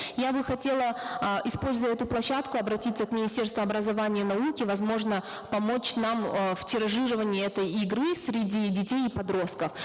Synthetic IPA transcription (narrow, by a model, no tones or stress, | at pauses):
jabɨxɐtʲelˠəʔɪspo̞lʲzəvətʲɛt̪ʊplˠɐɕːat̪kʊɐbɾɐtʲit̪sːəkmʲɪnʲɪsʲtʲe̞rst̪vʊɐbɾəzɐvanʲɪjənɐukʲɪvɐzmo̞ʐnə | pɐmo̞t͡ɕnamftʲɪɾɐʐɨɾəvənʲɪəɛt̪əjɪɡɾɨsɾʲɪdʲidʲɪtʲejɪpɐd̪ɾo̞st̪̚kəf